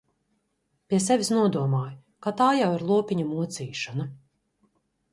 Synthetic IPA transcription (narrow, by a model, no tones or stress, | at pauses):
pʲiɛsɛvʲisnuɔd̪uɔmaːj | kat̪aːjawiɾlˠuɔpiɲumuɔt̪siːʃana